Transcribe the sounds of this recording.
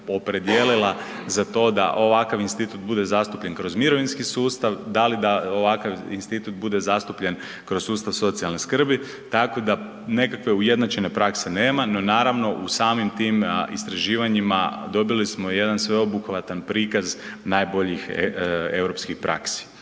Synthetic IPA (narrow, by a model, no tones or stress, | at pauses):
o̞pɾe̞d̪jelila | zat̪o̞ːd̪a̰ʔo̞ʋakaʋinst̪it̪ut̪bud̪e̞zast̪upʎe̞nkɾo̞zmiɾo̞ʋinskisuːst̪aʋd̪alid̪aoʋakaʋinst̪it̪ut̪̚bud̪e̞zast̪upʎen | kɾo̞zsuːst̪aʋso̞t̪sijalˠneskr̩bi | t̪ako̞d̪a | ne̞kakʋe̞uje̞d̪nat͡ʃe̞ne̞pɾakse̞ne̞ːmano̞naːɾaʋno̞ʔusaːmimt̪iːmḭst̪ɾaʒiːʋaɲima̰d̪o̞bilismo̞je̞d̪ansʋe̞obukʋat̪anpɾiːkaznajbo̞ʎixe̞vɾo̞pskixpɾʔa̰ksi̥